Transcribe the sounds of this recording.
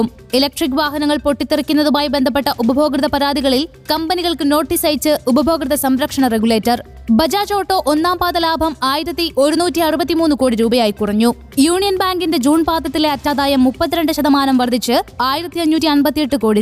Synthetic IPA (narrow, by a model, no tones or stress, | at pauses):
m | elɐk̚ʈrik̬ːʋaːɦɐnɐŋːɐɭpo̞ʈːit̪ːirikʲːunːɐðumaːjibe̞nd̪ʱɐp̬ːe̞ʈːɐʔubɐbʱo̞ːɡrɨðɐpɐɾaːd̪iɣɐɭil | kɐmbɐniɣɐɭkɨno̞ːʈːiːsɐjt͡ɕːɨubɐbʱo̞ːɡrɨðɐsɐmɾɐkʂɐɳɐreɡuɭe̞ːtːɐr | bɐd͡ʑaːd͡ʑo̞ːʈːo̞ːʔonːaːmpaːt̪ɐlaːbʱɐmaːjiɾɐt̪ːiʔo̞ɾunuːtːiɐrubɐt̪̬ːimuːnːɨko̞ːɽiɾuːbɐjaːjikurɐɲːu | juːɳijɐnbaːŋɡinde̞d͡ʑuːnpaːt̪ːɐt̪ːile̞ɐtːaːd̪aːjɐmːupːɐt̪ːiɾeɳɖɨɕɐðɐmaːnɐmʋɐrd̪ʱit͡ɕːɨaːjiɾɐt̪ːiɐɲːuːt̬ːiɐnbɐt̪ːijeʈːɨkoːɽi